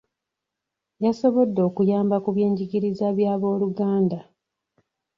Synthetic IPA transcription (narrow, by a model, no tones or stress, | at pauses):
jaso̞βo̞dːo̞ːkujaːmbakuβje̞ːɲɟiɡiɾizaβjaːβo̞ːluɡaːnda